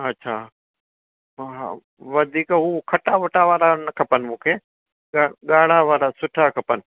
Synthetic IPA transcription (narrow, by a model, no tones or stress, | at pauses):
ɐtːʃʰaː | ʋɐd̪ʱiːkɦukʰɐʈaʋɐʈaʋaːɾanɐkʰɐpənɪ̆mũːkʰeː | ɠaɠaːɽ̤aʋaːɾasʊʈʰakʰɐpənɪ̆